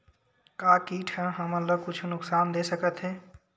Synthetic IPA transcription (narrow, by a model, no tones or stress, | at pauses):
kaːkiːʈʰə̃ɦəmələɡ̚kʊt͡ʃʰnʊksaːnd̪esəkət̪ɦɛː